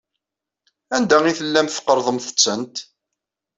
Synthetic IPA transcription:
ænd̪æiθəlːæmθə̥qːəɾˤðˤəmθə̥t͡sːənt̪

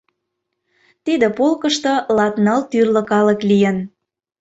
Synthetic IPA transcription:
t̪id̪ĕpolkəʃt̪olɑt̪nɑlt̪yrlə̆kɑləklijən

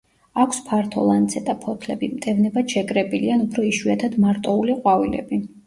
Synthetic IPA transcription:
akʷʰspʰaɾt̪ʰɔlˠant̪sʰɛt̪ʼapʰɔt̪ʰlɛbimt̪ʼɛvnɛbaʃɛkʼɾɛbʼilianupʰɾɔiʃwiat̪ʰad̪maɾt̪ʼɔuliqʼwavilɛ̰bi

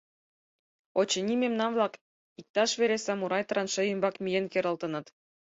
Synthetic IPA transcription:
ot͡ɕɤ̆nʲimʲemnɑnvlˠɑk | ik̚t̪ɑʃβʲeɾʲesɑmuɾɑjt̪rɑnʃɤ̆jɤmbɑkmʲijenkʲeɾɤ̆lˠt̪ɤ̆nɤ̆t̪

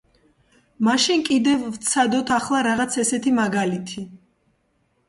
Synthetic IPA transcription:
maʃinkʼid̪ɛvːt̪sʰad̪ɔt̪ʰaχlˠaɾaʁat̪sʰɛsɛt̪ʰimaɡalit̪ʰi

